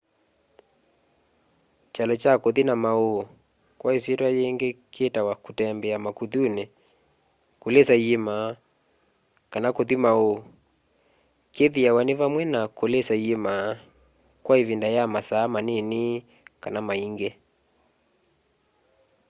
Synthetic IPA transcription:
t͡ʃalɔt͡ʃakoðinamao | kwais̬itwajɛŋɡɛketawakutɛmbɛamakuðunɛ | kulɛsaiema | kanakoðimao | keðiawanivamwɛnakolɛsaiema | kwaivindajamasaːmanini | kanamaiŋɡɛ

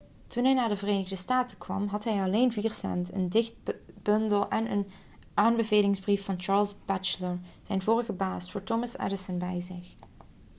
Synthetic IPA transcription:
tunɦɛjnaːdəvəreːnəɣdəstaːtəkʋɑ̰mɦɑtɦɛjɑleːnviːɹsɛ̰ntə̰ndɪxt̚b̥ɵndəlˠʔɛnə̰n | ʔaːnbəveːlɪŋzbrifːɑnt͡ʃɑːɹlˠzbɛt͡ʃələɹz̥ɛjnvoːɹəɣəbaːstfʊːɹtomɑsɛ̰dəsənbɛjzɪx

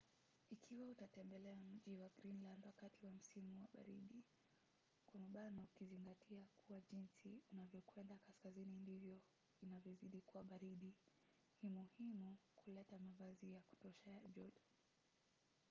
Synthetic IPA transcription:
ikʰiwautatɛmbɛlɛam̩ʄiwaɡɾinlandwakatiwam̩simuwa̰ɓa̰ɾiɗi | kwamaɓanaukiziŋɡatʰiakuwaʄinsiunavjɔkwɛndakaskazinindivjɔ | inavjɔziɗikuwaɓaɾiɗi | nimuhimukʰulɛtamavazijaku̥tɔʃajaʄɔɗɔ

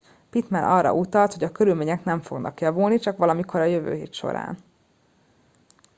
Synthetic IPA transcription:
pit̪mɛnʔɒrːɒ̰ʔut̪ɒlt̪ho̞ɟɒkø̞ɾylmeːɲɛknɛɱfo̞̰ɡnʔɒ̰kjɒvulnit͡ʃɒkʋɒlɒmikʰo̞ɾɒjøvø̰ːɦeːt̪ʃo̞̰ɾa̰ːn

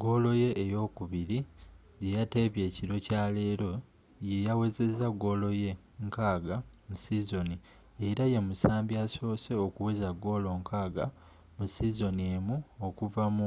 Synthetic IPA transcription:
ɡo̞lo̞je̞ʔːjo̞ːkuβiɾi | je̞jate̞βje̞ːciɾo̞caːle̞ːɾo̞ | je̞jawe̞ze̞zaɡo̞lo̞je̞ | ŋkaːɡamusizo̞ni | eɾaje̞musaːmbjaso̞ːse̞okuwezaɡo̞lo̞ŋkaːɡa | musizo̞nieːmuokuvamu

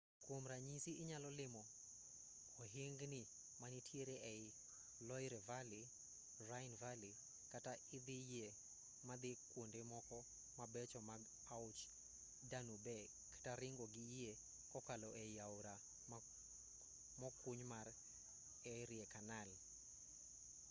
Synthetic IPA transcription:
kwomɾaɲisiʔɪɲalɔlɪmɔ | ɔɦeŋɡnɪ | manitʰjeɾeʔɛɪ | lɔjɾɛvali | rajɪnvali | kataɪd̪ɪje | mad̪ɪkwondemɔkɔ | mabɛt͡ʃɔmaɡ | aʊt͡ʃ | danubɛ | kḁtaɾɪŋɡɔɡɪie | kɔkalɔʔɛɪaʊɾa | mɔkuɲmar | ɛɾiekanal

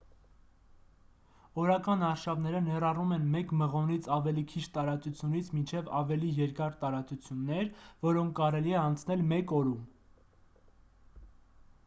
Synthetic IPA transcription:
ɔɾɑkɑnɑɾʃɑvn̪ɛɾənɛrɑrumɛnmɛkməʁɔnit͡sʰɑvɛlikʰit͡ʃʰt̪ɑɾɑt͡sut͡sʰjunit͡sʰmint͡ʃʰɛvɑ̰vɛlijɛɾkɑɾt̪ɑɾɑt͡sut͡sʰjunːɛɾvɔɾɔŋkʰːɑɾɛliɛɑnt͡sʰnɛlmɛkɔɾum

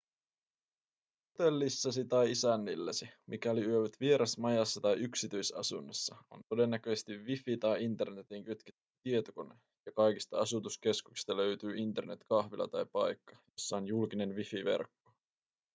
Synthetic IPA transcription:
hhot̪e̞lːisːɑsit̪ɑjisænːilːesimʔikæoliyøʋæt̪ʋie̞ɾɑsmɑjɑsːɑt̪ɑjyksit̪yjsɑ̰sunːesːɑo̞̰nt̪o̞de̞nːæk̟øsest̪iʋːifit̪ɑjint̪e̞rne̞t̪iŋkyt̪ket̪ːyt̪iet̪oko̞ne | jɑkɑjkist̪ɑɑsut̪uske̞skukst̪ɑlø̞yt̪yːint̪e̞rne̞t̪kɑxʋilʔɑ̰t̪ɑjpɑjkːɑjo̞sːɑonjulkine̞nʋifiʋe̞̰rkːo

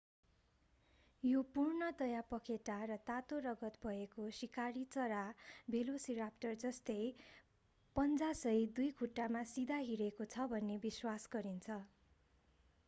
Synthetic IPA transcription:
jopurnʌt̪ʌjapʌkʰeʈaɾʌt̪at̪orʌɡʌt̪bʱʌekosikaɾit͡sʌɾabʱelosirapʈʌrd͡zʌst̪ʌj | pʌnd͡zasʌjd̪ujkʰuʈːamasid̪ʱaɦiɾekot͡sʰʌbʱʌnːebiswasɡʌɾint͡sʰʌ

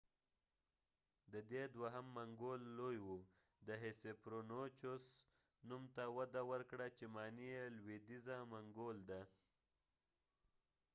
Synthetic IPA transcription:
d̪əd̪ed̪waɦamːaŋɡolːojwu | d̪əɦesepɾonot͡ʃos | numt̪awad̪awəɾkɽat͡ʃemɑnijelwid̪izamaŋɡold̪a

